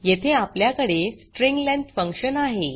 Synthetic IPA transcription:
jet̪ʰeapljakəɽesʈɾiŋɡlɛ̃nt̪fəŋkɕənaɦe

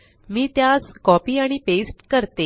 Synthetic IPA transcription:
miːt̪jaskɔpiːaɽ̃ipesʈkəɾt̪e

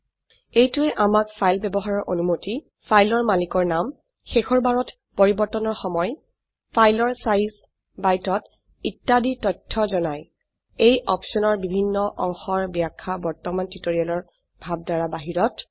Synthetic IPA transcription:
ejtuɛʔamak̚pʰajlbɛbɔɦaɹɔɹʔonumoti | pʰajlɔɹmalikɔɹnam | xexɔɹbaɹɔt | poɹibɔɹtɔnɔɹxɔmɔj | pʰajlɔɹsajs | bajtɔt | itːaditɔjtʰːɔzɔnaj | ejʔɔpsɔnɔɹbibʱinːɔʔɔ̰ŋxɔɹbiakʰːabɔɹtɔmantitoɹialɔɹ | bʱab̚daɹabaɦiɹɔt

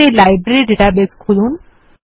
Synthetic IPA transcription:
elajbɾeɾiɖeʈabeskʰulun

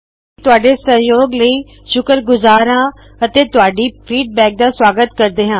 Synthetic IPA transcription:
t̪ʊɦaːɖesɐ̃joːɡləi | ʃʊkəɾɡʊzaːɾɦãː | ɐt̪et̪ʊaːɖipɾiːʈ̚bɛːk̚d̪aswaːɡət̪kɐɾd̪eːɦãː

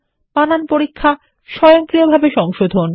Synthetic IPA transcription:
pananpoɾikʰːa | ʃɔjoŋkɾiobʱabeʃɔŋʃod̪ʱon

